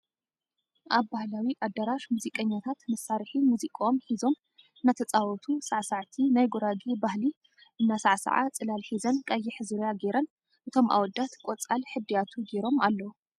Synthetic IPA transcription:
ʔaβbahlawiʔad̪ːaɾaʃmuzikʼɐɲːat̪ʰat̪mɐsːaɾħimuzikʼaomħizo̞m | nat̪ʰɐt͡sʼawɔt̪ʰusaʕsaʕt̪ʰinajɡoɾaɡibahli | ʔɨnːasaʕsɐ̰ʕa̰t͡sʼɨlalħizɐnkʼajːɛħɨzɨɾjaɡeɾɐn | ʔɨt̪ʰo̞mʔa̰wɔd̪ːat̪kʼot͡sʼalħɨd̪ijat̪ʰuɡeɾo̞malːɐwu

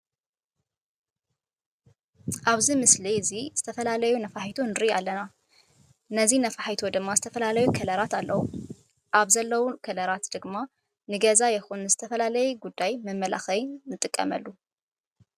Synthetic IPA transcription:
ʔaβzimɨslizizɨt̪ʰɐfɐlalɐjunɐfaħjt̪ʰonɨɾɨjalːɐna | nɐzinɐfaħit̪ʰod̪ɨmːazɨt̪ʰɐfɐlalɐjukʰɐlɐɾat̪alːɐwu | ʔaβzɐlːɐwukʰɐlɐɾat̪d̪̥ɨɡma | nɨɡɐzajɪxunːɨzɨt̪ʰɐfɐlalɐjuɡud̪ːajmɐmːɐla̰xɐjnɨt̪ʼɨkʼːɐ̰mɐ̰lːu

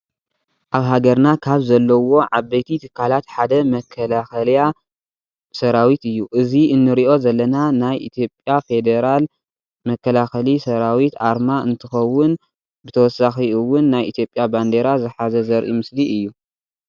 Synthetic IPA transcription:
ʔaβɦaɡɐɾnakʰaβzɐlːɐwo̞ʕaβɐjt̪ʰit̪ʰɨ̥kʰːalat̪ħad̪ɐmɐkʰːɐlaxɐlja | sɐɾawit̪ɨjːuʔɨziɨnːɨɾiʔo̞zɐlːɐnanajʔit̪ʰjo̞pʼjafed̪eɾal | mɐkʰːɐlaxɐlisɐɾawit̪ʔaɾmaʔɨnt̪ʰɨxɐwːʊn | bɨt̪ʰɐwɔsːaxiɨwːʊnːajʔḭt̪ʰjo̞pʼjaband̪e̞ɾazɨħazɐzɐɾʔḭmɨsliʔɨjːu

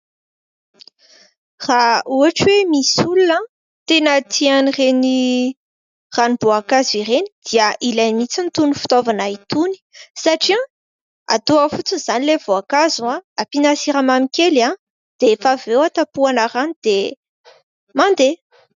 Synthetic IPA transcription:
rauaʈ͡ʂwemisulunə | t̪enət̪ʰianireni | ranibuakaziɾeni̥d̪̥iəʔilajnmit͡sint̪unifi̥t̪ovanait̪uni̥saʈ͡ʂiã | a̰t̪oəfut͡siz̥anilev̥oakazuaapinasiɾamamikʲela | d̪̥efavewat̪apuanəɾanid̪̥e | mand̪e

